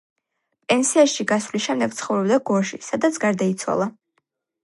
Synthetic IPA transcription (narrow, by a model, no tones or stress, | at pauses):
pʼɛnsiaʃiɡasvlisʃɛmd̪ɛɡ̚t̪sʰχɔvɾɛbd̪aɡɔɾʃisad̪at̪sʰɡaɾd̪ait̪sʰwa̰lˠa